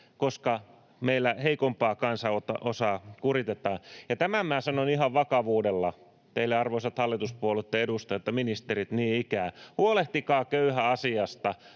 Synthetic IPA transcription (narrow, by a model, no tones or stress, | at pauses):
koskɑ | meilːæheikompɑːkɑnsɑot̪ɑ̰ʔosɑːkurit̪et̪ɑːjɑt̪æmæmæːsɑnonihɑʋʋɑkɑʋuːdelːɑ | t̪eilːeɑrʋoisɑt̪hɑlːit̪uspuolet̪ːeedust̪ɑjot̪ːɑminist̪eɾit̪niːikæːhuoleht̪ikɑːkøyhæɑsiɑst̪ɑ